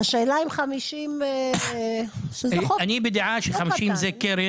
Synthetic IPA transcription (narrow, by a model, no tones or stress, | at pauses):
aʃeːlaimχamiʃime | ʃezoanibed̪eʕaʃeχamiʃimzekeɾe